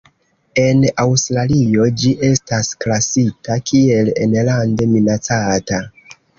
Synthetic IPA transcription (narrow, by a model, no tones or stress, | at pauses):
e̞nawstɾalio̞d͡ʒiʔe̞stasklasitakʰie̞lḛnlande̞minat͡sata